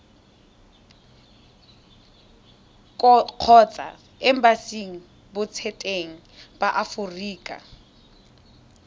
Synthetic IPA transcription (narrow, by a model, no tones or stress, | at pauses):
q͡χʰɔt͡sʼa̰ | ɪm̩basiŋ̩ | bʊt͡sʰetʼeŋ̩b̥aʔafʊriːkʼa̰